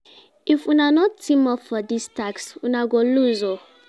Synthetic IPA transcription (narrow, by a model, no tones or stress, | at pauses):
ifunanɔttĩmɔffɔdistaksunaɡoluzo